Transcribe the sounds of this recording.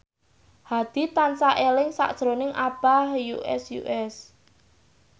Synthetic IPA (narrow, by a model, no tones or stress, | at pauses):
had̪̥i̤t̪ansaʔelɪŋsa̰ʔd̥ʒ̥ɾonɪŋʔab̥ahjṵʔɛ̰sjṵʔɛs